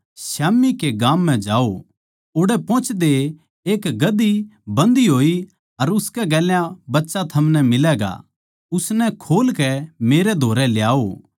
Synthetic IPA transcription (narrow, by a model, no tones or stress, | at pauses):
ʃaːmːikeɡaːmːɛ̃d͡ʒaːo | oːɽɛpɔ̃ːt͡ʃd̪e | eːkɡɐd̪ːibɐ̃nd̪iɦoːi | ɐɾʊskɛɡɛːljãbɐtːʃat̪ʰɐmnɛmɪlɛːɡa̰ | ʊsnɛkʰoːlkɛmeːɾed̪ʱoːɾɛljaːo